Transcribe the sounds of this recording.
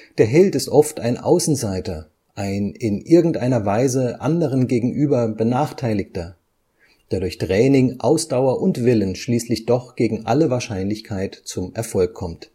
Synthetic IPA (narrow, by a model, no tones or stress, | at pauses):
d̥eːɐɦɛltɪstʔɔftaɪnʔa̰ʊsn̩zaɪtɐ | ʔaɪnɪnʔɪɐɡŋ̩tʔaɪnɐvaɪzəʔandəʁ̞ənɡeːɡŋ̩ʔyːbɐbənaːχtʰaɪlɪktɐ | d̥eːɐdʊɐçtʁ̥ɛːnɪŋʔaʊsd̥aʊɐʔʊntv̥ɪlənʃliːslɪçd̥ɔχɡ̥eːɡŋ̩ʔa̰ləvaːɐʃaɪnlɪçkʰaɪtt͡sʊmɛɐfɔlkʰːɔmt